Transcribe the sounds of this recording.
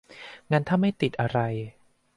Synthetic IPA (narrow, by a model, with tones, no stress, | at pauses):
ŋa˧nt̪ʰaː˥˩ma˥˩jt̪i˨˩t̪̚ʔa˧ɾa˧j